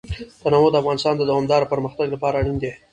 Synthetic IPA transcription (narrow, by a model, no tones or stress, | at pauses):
t̪anɑmod̪əafɣɑnɪst̪ɑnd̪əd̪awɑmd̪ɑɾopəɾməxt̪aɡlapɑɾaɽind̪e